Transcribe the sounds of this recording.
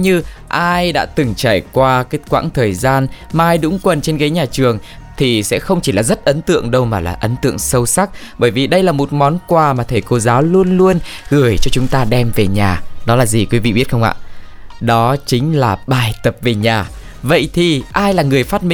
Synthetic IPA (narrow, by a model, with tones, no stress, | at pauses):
ɲɨ˧ʔaː˧jɗa̰ː˧˥t̪ɨ˨˩ŋt͡ɕaː˧˩jkwaː˧kaː˦˨˦j̚kwa̰ː˧˥ŋt̪ʰəː˨˩jzaː˧nmaː˨˩ʔaː˧jɗʊ̰˧˥ŋ͡mkwə˨˩nt͡ɕe˧nkaː˨˦jɲaː˨˩t͡ɕɨ˨˩əŋ | t̪ʰi˨˩sɛ̰˧˥xə˧wŋ͡mt͡ɕi˧˩laː˨˩zə˦˥t̚ʔə˨˦nt̪ɨ̰˧˨əŋɗə˧wmaː˨˩la̰ː˨˩ʔə˨˦nt̪ɨ̰˧˨əŋsə˧wsa˦˥k̚ | ɓəː˧˩jvi˨˩ɗə˧jlaː˨˩mo˨˩t̚mɔ˨˦nkwaː˨˧˩maː˨˩t̪ʰe˧˩ko˧˩zaː˨˦wlu˧ənlu˧ənɣɨ˨˩əjt͡ɕɔ˧t͡ɕʊ˨˦ŋ͡mt̪aː˧ɗɛ˧mve˨˩ɲaː˨˩ɗɔ˨˦laː˨˩zi˨˩kwi˨˦vḭ˧˨ɓi˦˥ət̚xə˧wŋ͡mʔa̰ː˧˨ʔ | ɗɔ˨˦t͡ɕï˨˦ŋ̟laː˨˩ɓaː˨˩jt̪ə˨˩p̚ve˨˩ɲaː˨˩ | və̰˧˨jt̪ʰi˨˩ʔaː˧jlaː˨˩ŋɨ˨˩əjfaː˦˥t̚mi˧